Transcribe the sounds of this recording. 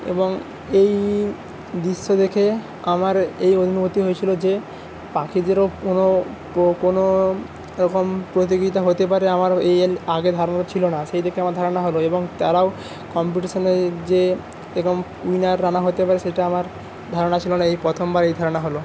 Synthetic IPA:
ḛboŋ | ej | d̪iʃːod̪ekʰe | a̰maɾejod̪ʱinobot̪iɦojet͡ɕʰilod͡ʑe | pakʰid̪eɾoono | kono | ɾɔkompɾot̪̬ikɾit̪aɦot̪epaɾeamaɾejaɡed̪ʱaɾonat͡ɕʰilonaʃejd̪ekʰeamaɾd̪ʱaɾonaɦoloeboŋt̪aɾao | kɔmpiʈiʃoneɾd͡ʑe | ekom | ujnaɾːanaɦot̪epaɾeʃeʈaamaɾ | d̪ʱaɾonat͡ɕʰilonaejpɾɔt̪ʰombaɾejd̪ʱaɾonaɦolo

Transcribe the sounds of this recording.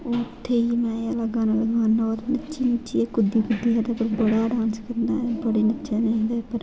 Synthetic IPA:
ot̪ʰːeːiːmɛ̃ːalaɡaːnaːləɡaːnːoːɾnətːʃiːnɪt͡ʃiekʊd̪ːiːkʊd̪ːiːɦad̪aːpəɾbəɽaːɖãːnskəɾd̪aːbəɽiːnətːʃeːned̪aːpəɾ

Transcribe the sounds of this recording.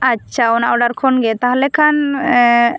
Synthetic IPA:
aʃʰaɔnaʔɔɖaɾkʰɔnɡɛt̪aɦalɛkʰan

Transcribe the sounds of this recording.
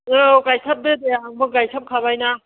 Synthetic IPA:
ɯkajsʰap̚dɯdejaaŋbɯkajsʰap̚kʰabajna

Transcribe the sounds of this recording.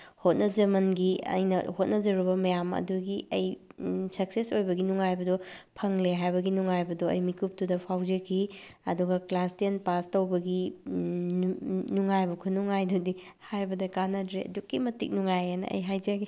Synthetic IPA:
hot̚nɐd͡ʒɐmɐnɡiɐ̰jnɐhot̚nɐd͡ʒɐɾubɐmɐjamɐ̰duɡiʔɐjsɐksesojbɐɡinuŋajbɐdɔpʰɐŋleɦajbɐɡinuŋajbɐdɔɐ̰jmikup̚tudɐpʰawd͡ʒɐkʰiɐduɡɐklastiɐnpastɐwbɐɡi | nuŋajbɐkʰunuŋajdudi | hajbɐdɐkanɐdɾeɐ̰dukːimɐtḭk̚nuŋajanɐ̰ʔɐ̰jɦajd͡ʒaɡi

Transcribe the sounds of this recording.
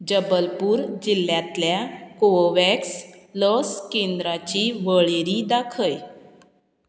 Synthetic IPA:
d͡ʑəbəlpuːɾd͡ʑilːjat̪ljakoʋɛkslɔskend̪ɾat͡ɕiʋəɭeɾid̪akʰəj

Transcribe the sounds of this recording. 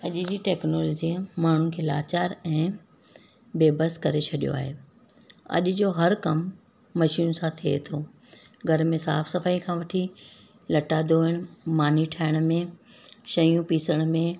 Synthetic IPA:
ɐʄd͡ʑiːʈɛːknoːlɔːd͡ʑimaːɳ̤ukʰeːlaːt͡ɕaːɾɛ̃ː | beːbəskɐɾet͡ɕʰɐɗijo̰a̰ːɦeː | ɐ̰ʄʊd͡ʑoːɦɐɾkɐmː | ɐʃiːnsãt̪ʰiḛt̪ʰoː | ɡʱɐɾmẽsaːfsɐfaːikʰãːʋɐʈʰi | lɐʈaːd̪oːɦɪɽ̃̆maːniʈʰaːɪɽ̃̆mẽʃɐjũpiːsəɽ̃mẽ

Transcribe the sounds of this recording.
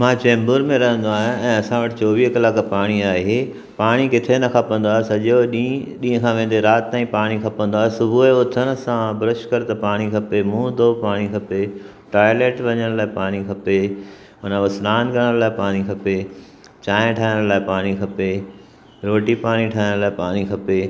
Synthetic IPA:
mãːt͡ɕɛ̃ːmbʊɾmẽɾɐɦə̃nd̪oaːɦɪ̃ɛ̃ːɐsãʋɐʈɪ̆t͡ɕɔːʋiːɦkɐlaːkpaːɽ̃iaːeɦe | paːɽ̃ikɪt̪ʰenɐkʰapə̃nd̪aːɦesɐʄoɗiɗĩːɦə̃kʰãʋẽːn̆d̪eɾaːt̪ɪt̪aːĩpaːɽ̃ikʰɐpə̃nd̪oaːɦesʊbʱueʊt̪ʰəɽ̃ə̆sãbɾɪʃkəɾt̪ɐpaːɽ̃ikʰɐpemũːd̪oːpaːɽ̃ikʰɐpe | ʈaːjleːʈʋɐɲəɽ̃laːɪpaːɽ̃ikʰɐpe | ʊnãʋɐsɾaːnɡɐɽ̃əɽlaːɪpaːɽ̃ikʰɐpe | t͡ɕaːɪ̃ʈʰaːɦɪɽ̃laːɪpaːɽ̃ikʰɐpe | ɾoːʈipaːɽ̃iʈʰaːɦɪɽ̃laːɪpaːɽ̃ikʰɐpe

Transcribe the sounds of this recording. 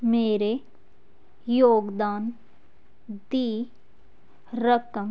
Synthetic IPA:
meːɾe | joːɡd̪aːn | d̪iː | ɾəkəm

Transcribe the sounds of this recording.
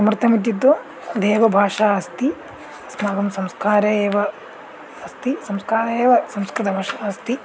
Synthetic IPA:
sɐmɾɨt̪ɐmid̪jid̪ːo | d̪eːʋɐbʱaːʂaːɐst̪i | ɐsmaːɡɐmsɐmskaːɾɐeːʋɐ | ɐst̪isɐmskaːɾɐeːʋɐsɐmskɾɨt̪ɐbʱaːʂaːɐst̪i

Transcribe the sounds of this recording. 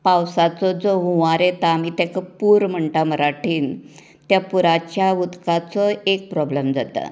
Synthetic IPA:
pawsat͡sɔd͡zɔɦũʋaɾet̪aːmiːt̪ɛkəpuːɾm̤əɳʈaməɾaʈʰiːn | t̪japuɾat͡ɕjaʋut̪kat͡sɔek̚pɾɔbləmd͡zat̪ə̰

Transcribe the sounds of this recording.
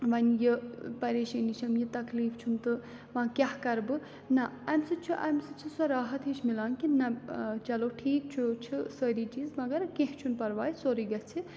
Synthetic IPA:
ʋɐnjɨpɐɾeːʃɐniʃɐmjɨt̪ɐkliːfʰt͡ʃʰunt̪ɨ | mãkʲjahkɐɾbɨ | nɐɐmsɨt͡ʃʰuʔɐ̰msɨt͡ʃʰusɐɾaːɦɐt̪ʰɦiʃmilaːnkinɐt͡ʃɐlowʈʰiːk̚t͡ʃʰut͡ʃʰisəɾit͡ʃiːzmɐɡɐɾkẽɦt͡ʃʰunpɐɾʋaːjsoɾiɡɐt͡sʰi

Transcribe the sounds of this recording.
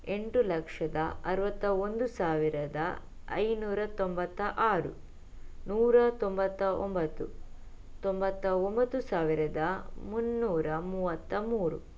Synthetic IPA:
e̞ɳʈulɐkʂɐd̪ɐ̰ɐɾɐʋɐt̪ːɐond̪usaːʋiɾɐd̪ɐ | ɐ̰jnuːɾɐt̪ombɐt̪ːɐʔaːɾṵ | nuːɾɐt̪ombɐt̪ːɐʔombɐt̪ːu | t̪ombɐt̪ːɐombɐt̪ːusaːʋiɾɐd̪ɐmunːuːɾɐmuːʋɐt̪ːɐmuːɾṵ

